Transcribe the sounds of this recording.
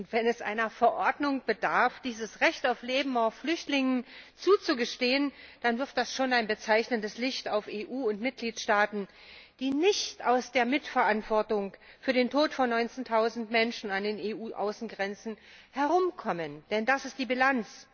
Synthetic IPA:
ʔʊntv̥ɛnɛsʔa̰ɪnɐfɛɐʔɔɐdnʊŋb̥ədaɐfd̥iːzəsʁɛçtaʊfleːbm̩aʊfflʏçtlɪŋənt͡suːt͡suɡəʃteːənd̥anvɪɐt̚d̥asʃoːnaɪnbət͡saɪçnəndəslɪçtaʊfeːʔuːʊntmɪt̚ɡ̥liːtʃtaːtn̩ | d̥iːnɪçta̰ʊsd̥eːɐmɪtfɛɐʔantv̥ɔɐtʊŋ | fyːɐdeːntʰoːtfɔnːɔʏnt͡seːntʰaʊzn̩tmɛnʃn̩andeːneːʔuːʔa̰ʊsn̩ɡʁɛnt͡sn̩ | hɛɐʁʊmkʰɔmənd̥ɛndasɪstd̥iːbilant͡s

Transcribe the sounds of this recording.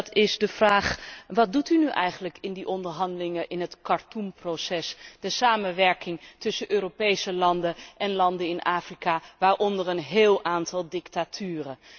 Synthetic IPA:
tʰɪsdəvraːχʋɑt̚dutynyʔɛ̰jχənləkɪndiʔɔndəɹɦɑndəlɪŋəʔɪnɦətkɑɹtumprosɛsd̥əsaːmənʋɛɹkɪŋtɵsəʔøːropejsəlɑndəʔɛnlɑndəɪnʔaːfrikaʋaːɹʔɔndəɹənɦeːlˠʔaːntɑlˠdɪktatʰyːrə

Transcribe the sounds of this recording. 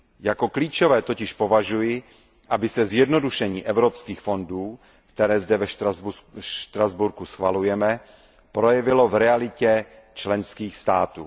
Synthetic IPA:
jako̞kliːt͡ʃovɛːt̪o̞cɪʃpo̞vaʒujɪ | ʔabɪsɛzjɛdno̞duʃɛɲiːʔɛvɾopskiːxfo̞nduː | kt̪ɛɾɛːzdɛvɛ | ʃt̪ɾazbuɾkusxvalujɛmɛ | pɾojɛvɪlovɾɛalɪcɛ | t͡ʃlɛnskiːxst̪aːt̪ṵː

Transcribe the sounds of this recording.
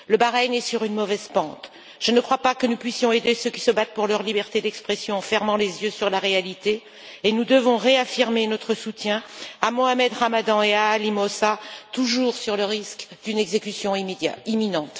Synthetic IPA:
ləbaʁɛɲɛsyʁynmɔvɛzpɑ̃t̪ | ʒ̥ənəkχwapakənupɥisjɔ̃ed̪esøkʲi̥səbat̪̚puʁlœʁlibɛʁt̪ed̪ɛkspχesjɔ̃ɑ̃fɛʁmɑ̃lezjøsyʁlaʁealit̪eː | nud̪əvɔ̃ʁeafiʁmenɔt̪χəsut̪jɛ̃amoamɛd̪ʁamad̪ɑ̃eaːlimɔsat̪uʒuːʁsyʁləʁiskd̪̥ynɛɡzekʲysjɔ̃ḭiminɑ̃t̪

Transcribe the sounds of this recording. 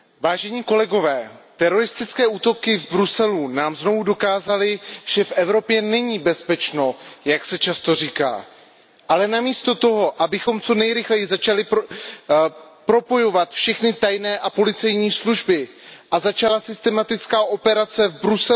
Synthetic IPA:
vaːʒɛɲiːko̞lɛɡo̞vɛːt̪ɛɾo̞ɾɪst̪ɪt͡skɛːuːt̪o̞kɪvbɾusɛlunaːmzno̞vudo̞kaːzalɪʒ̥ɛfʔɛvɾo̞pjɛnɛɲiːbɛspɛt͡ʃno̞jaksɛt͡ʃast̪o̞riːka̰ː | ʔalɛnamiːst̪o̞t̪o̞ɦo̞ʔabɪxo̞mt͡so̞nɛjɾɪxlɛjɪzat͡ʃalɪ | pɾo̞po̞jo̞vat̪fʃɛxnɪt̪ajnɛːʔapo̞lɪt͡sɛjɲiːsluʒbɪ | ʔazat͡ʃalasɪst̪ɛmat̪ɪt͡skaːʔo̞pɛɾat͡sɛvbɾusɛ

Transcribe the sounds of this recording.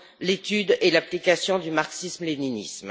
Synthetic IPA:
let̪yd̪elaplikasjɔ̃d̪ymaʁksismleninḭsm

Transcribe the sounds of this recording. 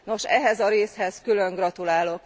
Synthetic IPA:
no̞ʃɛɦɛzɒɾeːshɛskyløŋɡrɒt̪ulaːlo̞k

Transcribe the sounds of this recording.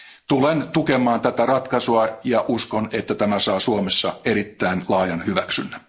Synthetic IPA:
t̪ulent̪ukemˑɑːnt̪æt̪ærɑt̪kɑsuɑjɑʔuskonet̪ːæt̪æmæsɑːsuomesːɑeɾit̪ːæinlɑːjɑnhyʋæksy̰nːæ

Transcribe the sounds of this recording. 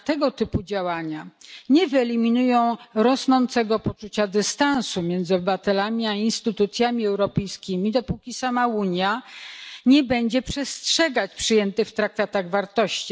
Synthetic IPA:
t̪ɛɡɔt̪ɘpud͡ʑawaɲaɲɛvɘɛlʲimʲinujɔ̃w̃ɾɔsnɔnt̪sɛɡɔpɔt͡ʂut͡ɕad̪ɘst̪ãnsumʲjɛnd̪zɨɔbɘvat̪ɛlamʲiainst̪ɘt̪ut̪sʲjamʲiɛwɾɔpɛjskʲimʲid̪ɔpukʲisamauɲja | ɲɛbɛɲd͡ʑɛpʂɛstʂɛɡat͡ɕpʂɘjɛnt̪ɘft̪ɾak̚t̪akt̪aɣvaɾt̪ɔɕt͡ɕi

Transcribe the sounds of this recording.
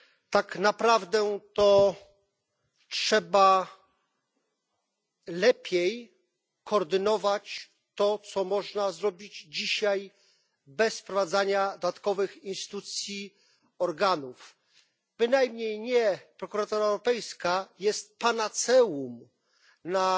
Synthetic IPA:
t̪aknapɾavd̪ɛt̪ɔ | tʂɛba | lɛpʲjej | kɔːɾd̪ɘnɔvat͡ɕ | t̪ɔt̪sɔmɔʐnazɾɔbʲid͡ʑd͡ʑiɕaj | bɛspɾɔvad̪zaɲad̪d̪at̪kɔvɘxinst̪i̥t̪ut̪sʲji | ɔɾɡanuf | b̥ɘnajmɲejɲɛpɾɔkuɾat̪ɔɾaɛwɾɔpɛjskajɛst̪̚panat̪sɛwum | na

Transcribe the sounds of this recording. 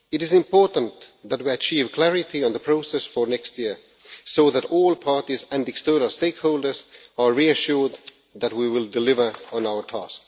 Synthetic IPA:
ɨɾɪzɪ̃mpʰɔɹʔə̃n̩ðæt̚wiɨt͡ʃʰiːv̥kʰl̥æɹɪɾiə̃nðəpʰɹ̥oʊsɛsfə˞nɛkst̚jɪɹ | soʊðæɾɔlˠpʰɑɹtizɨ̃ndɛkstɜ˞nəlˠsteɪkhoʊlˠdə˞zəɹiɨʃʊɹd̪̚ | ðæt̚wiwɪlˠdɨlɪvə˞ə̃naʊə˞tʰæ̰sk

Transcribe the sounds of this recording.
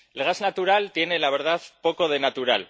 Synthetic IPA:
elɣaznat̪uɾalt̪je̞ne̞laβ̞e̞ɾð̞aðpo̞ko̞ð̞e̞nat̪uɾa̰l

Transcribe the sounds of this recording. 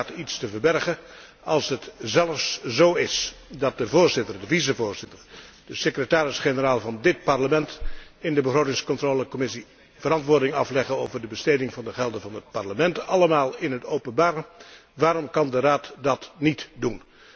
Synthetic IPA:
titstəvəɹbɛrχə | ɑlˠsɦətzɛləfszowɪsdɑt̚dəvʊːɹzɪtərdəvizəvʊːɹz̥ɪtərd̥əsəkrətaːɾɪsχenəraːlˠvɑndɪt̚pɑrləmɛntɪndəbəχrowtɪŋskɔntroːləkɔmɪsi | v̥əɾɑntʋʊːɹdɪŋɑ̰flɛχəno̰wvərdəbəsteːdɪŋvɑndəχɛlˠdəvɑnɦət̚pɑɹləmɛntɑləmaːlˠɪnɦətowpənbaːɾəʋaːɾɔmkɑndəraːtdɑtnitdun

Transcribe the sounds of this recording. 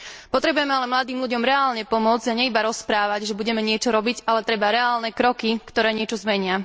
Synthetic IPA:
pɔt̪ɾɛbujɛmɛalɛmlad̪iːmluɟɔmɾɛaːlɲɛpɔmʊɔd͡zɟaɲɛibaɾɔspɾaːʋaɟʒɛbuɟɛmɛɲɪɛt͡ʃɔɾɔbiɟalɛt̪ɾɛbaɾɛaːlnɛkɾɔkikt̪ɔɾɛːɲɪɛt͡ʃɔzmɛɲɪa

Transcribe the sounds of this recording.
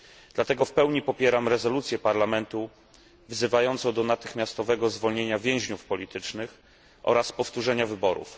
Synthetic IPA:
d̪̥lat̪ɛɡɔfpɛwɲipɔpʲjɛɾamɾɛzɔlut̪sʲjɛpaɾlamɛnt̪u | vzɘvajɔnt̪sɔ̃wd̪ɔnat̪ɘxmʲjast̪ɔvɛɡɔzvɔlɲeɲavʲjɛ̃w̃ʑɲufpɔlʲit̪ɘt͡ʂnɘx | ʔɔ̰ɾaspɔft̪uʐɛɲavɘbɔɾṵf

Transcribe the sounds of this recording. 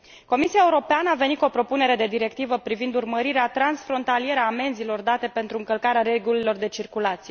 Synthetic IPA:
ko̞misiaeuɾo̞peanəave̞nit̪ko̞pɾo̞pune̞ɾe̞d̪e̞d̪iɾe̞k̚t̪ivəpɾivind̪urməɾiɾeat̪ɾansfɾo̞nt̪alije̞ɾəaːme̞nzilo̞rd̪at̪e̞pe̞nt̪ɾuɨŋkəlkaɾeaɾe̞ɡulilo̞rd̪e̞t͡ʃirkulat̪sije

